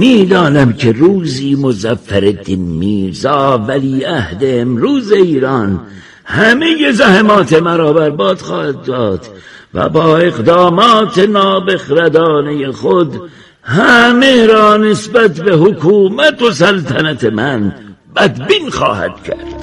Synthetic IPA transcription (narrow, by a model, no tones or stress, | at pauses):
miːd̪ɒːnæmkʰeruːziːmozæfːæɾed̪inmiːɾzɑːvæliːæhd̪eemɾuːzeiːɾɑːn | hæmeje̞zæhemɒːt̪ʰemæɾɒːbæɾbɒːd̪̥xɑːhæd̪̚ːɒːd̪̥ | væ̰bɒːe̞ɣd̪ɑːmɑːt̪ʰenɒːbexɾæd̪ɒːne̞jexod̪ | hæmeɾɒːnesbæt̪be̞hokʰuːmæt̪os̬ælt̪ʰænæt̪ʰe̞mænbæd̪biːnxɒ̰ːhæ̰d̪̥cʰæ̰ɾdd̪̥